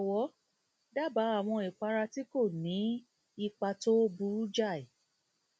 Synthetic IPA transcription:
ɔ˨wɔ˨˦ | da˦ba˨˦a˦˨w̃ɔ̃˧i˨k͡pa˧ɾa˧ti˦ko˦˨nĩ˨˦ | i˧k͡pa˧to˦bu˧˦ɾu˦d͡ʒa˦˨i˨

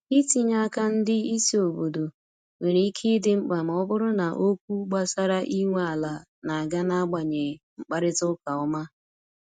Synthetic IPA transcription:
i˦ti˨ɲa˦ka˦n̩˦dɪ˦i˦si˦o˨bo˨do˨ | ŋe˨ɾi˨˦i˦kʰi˦dɪ˦ŋ͡m̩˦k͡pa˨m̩˨ɔ˦bʊ˦ɾʊ˦na˨ʔo˦kʷu˦ɡ͡ba˦sa˦ɾa˦ʔi˦ŋʷe˦a˨la˨ | na˨a˨ɡa˦na˦ɡ͡ba˨ɲe˨ŋ͡m̩˨k͡pa˦ɾɪ˦tʊ˦ka˨ɔ˦ma˦

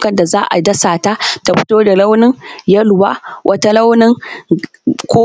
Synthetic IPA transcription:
kɐ˨nda˨zaː˦ʔa̰˨dɐ˦saː˨ta˦ta˨ɸʊ̥˦toː˦da˨la˦wnɪ˦ŋjɐ˦lʊ˨wa̰ː˦wʔɐ˦ta˦la˦wnɪ˦ŋ | kʷoː˦

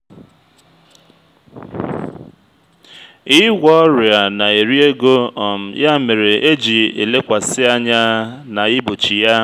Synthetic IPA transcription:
ɪ˦ɡʷɔ˦ɾɪ˨a˨na˨e˨ɾi˦e˦ɡo˦ɔ˨m̩˨ja˦me˨ɾe˨e˦d͡ʒi˨ḛ˨le˦kʷa˨sɪ˦a˦ɲa˦na˨ɪ˦bo˨t͡ʃi˨ja˦

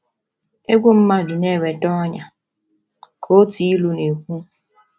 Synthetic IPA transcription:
e˦ɡʷu˦m̩˦ma˦dʊ˨ne˦˨we˨tɔ˦ɲa˨ | kʰo˦ti˨i˦lu˦ne˨kʷu˦

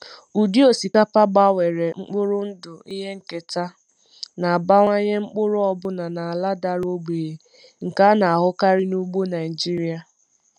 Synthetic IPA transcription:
u˨di˦o˨si˨ka˦pa˦ɡ͡ba˦˨we˨ɾe˨ŋ͡m̩˦k͡pʊ˦ɾʊ˦n̩˦dʊ˨i˦ɦe˦ŋ̩˦ke˨ta˦ | na˨a˨ba˦ŋʷa˦ɲe˦ŋ͡m̩˦k͡pʊ˦ɾʊ˦ɔ˦bʊ˦na˨na˨a˨la˦da˦ɾo˦ɡ͡be˨e˨ | ŋ̩˨ka˦na˨a˨ɦʊ˦ka˦ɾɪ˦nu˦ɡ͡bo˦na˨ɪ˨d͡ʒi˦ɾi˦a˨

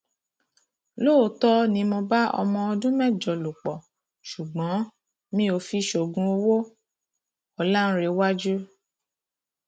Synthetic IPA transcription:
lo˦˨o˨tɔ˦nĩ˧mɔ̃˧ba˦ɔ̰˧mɔ̃˧ɔ˧dũ˦mɛ˦˨d͡ʒɔ˨lo˨k͡pɔ˨ | ʃu˨ɡ͡bɔ̃˨˦ | mĩ˦o˧fi˧ʃo˨ɡũ˧o˧wo˦ | ɔ˨la˦n̩˦ɾe˧wa˦d͡ʒu˦

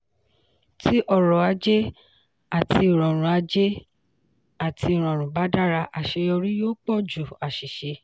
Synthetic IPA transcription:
ti˦ʔɔ˦˨ɾɔ˨a˧d͡ʒe˦ | a˦˨ti˧˨ɾɔ̃˨ɾ̃ũ˨a˧d͡ʒe˦ | a˦˨tʰi˧˦i˨ɾ̃ɔ̃˨ɾ̃ũ˨ba˨˦da˦ɾa˧ʔa˨ʃe˧ɔ˧ɾĩ˦joː˦k͡pɔ˦˨d͡ʒu˨a˨ʃi˨ʃe˧

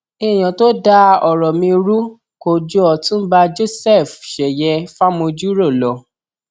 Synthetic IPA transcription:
e˦˨j̃ã˨to˦da˦ɔ˨ɾɔ˨mĩ˧ɾu˦ | ko˨d͡ʒo˦ɔ˧˨tũ˦ba˧d͡ʒo˦sɛ˦˨fʃɛ˨jɛ˧fa˦mõ˧d͡ʒu˦ɾo˦˨lɔ˨˦

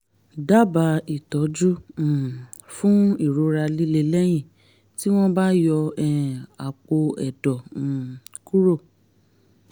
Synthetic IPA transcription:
da˦ba˧i˨tɔ˨˦d͡ʒũ˦˨ | fũ˦i˦˨ɾo˨˦ɾa˧li˦le˧lɛ˦j̃ĩ˦˨ | ti˦w̃ɔ̃˦ba˦jɔ˧ɛ˦˨a˨k͡po˧ɛ˨dɔ̃˨ku˦ɾo˦˨

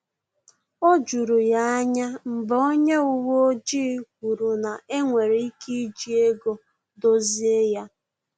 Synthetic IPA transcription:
o˦d͡ʒu˨ɾu˨ja˦a˦ɲa˦m̩˨bɔ˨o˦ɲe˦u˦wo˦d͡ʒi˦kʷu˨ɾu˨na˨ʔe˦ŋʷe˨ɾe˨i˦ki˦d͡ʒi˦e˦ɡo˨ | do˦zi˦e˦ja˦

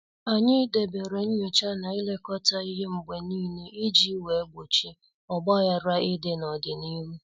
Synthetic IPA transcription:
a˨ɲɪ˦de˨be˨ɾe˨n̩˦ɲo˨t͡ʃa˦na˨ɪ˦le˦kɔ˦ta˦i˦ɦe˦ŋ͡m̩˨ɡ͡be˨niː˦ne˦ʔɪ˦d͡ʒi˦we˨˦ɡ͡bo˨t͡ʃi˦ | ɔ˨ɡ͡bɔ˦ja˦ɾa˦ɪ˦de˨nɔ˨dɪ˨ni˦m̩˦

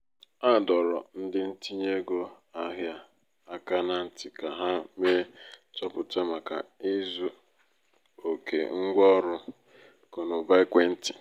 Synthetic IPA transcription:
a˦˨dɔ˨ɾɔ̰˨n̩˦dɪ˦n̩˦ti˦ɲe˦ɡo˦ | a˦ɦja˦˨ | a˨ka˦na˦n̩˨tɪ˨ka˨ɦa˦me˦tɔ˦pʊ˨te˦ma˨ka̰˨i˦zu˦ | o˨kʰḛ˨ŋ̩˦ɡʷɔ˦ɾʊ˦ | ko˨nʊ˨ba˦i˦kʷe˦n̩˦tɪ̥˨

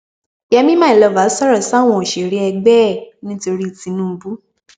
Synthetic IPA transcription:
jɛ˧mĩ˦mãː˦i˨lɔ˧˨va˨˦sa˦ɾɔ˨sa˦˨w̃ɔ̃˧˨o˨ʃe˨ɾe˧˦ɛ˧ɡ͡bɛː˦˨nĩ˦to˧ɾi˦˨tĩ˨˧˦nũ˦˧˦bu˦

